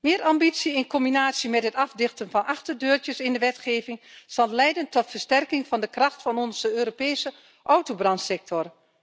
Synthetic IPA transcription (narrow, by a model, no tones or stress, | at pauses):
mɪːəɾambitsiɪnkɔmbinaːsjəmɛtɦətɑfdɪxtənfɑnɑxtərdøːrtjəsɪndəʋɛtxeːvɪŋsɑlˠlɛjdəntɔtfərstɛrkɪŋfɑndəkrɑxtfɑnɔnzəøːɾopɛːsə | ʔɔwtobrɑntsɛk̚tʰɔr